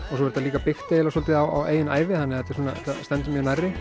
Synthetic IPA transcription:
ɔsɔɛɾt̪aliːkapɪxt̪ejɛlasɔlt̪ɪawa̰wḛːjɪnaːjvɪθanːɪhat̪ːɪ̥suːnat̪ast̪ɛnt̪ʏmjœnajrːɪ

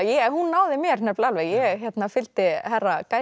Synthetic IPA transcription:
jɛɛnhunːaːwðɪmjɛɾnɛplalvɛjɛɣçɛt̪nafɪlt̪ɪhɛrːakaː

